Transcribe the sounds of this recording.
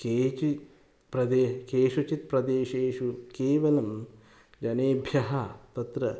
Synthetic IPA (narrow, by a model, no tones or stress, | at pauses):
keːt͡ʃi | pɾɐd̪eːkeːʃut͡ʃit̪pɾɐd̪eːʃeːʃukeːʋɐlɐm | d͡ʒɐneːbʱjɐɦɐt̪ɐt̪ɾɐ